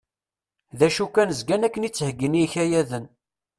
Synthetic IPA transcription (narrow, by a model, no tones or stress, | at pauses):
ðæʃukːænəzɡænækːənit͡sːhəɡːəniçæjæðən